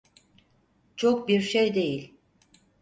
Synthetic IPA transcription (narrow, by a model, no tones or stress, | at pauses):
t͡ʃʰok̚biɾʃejd̪e̞jilʲ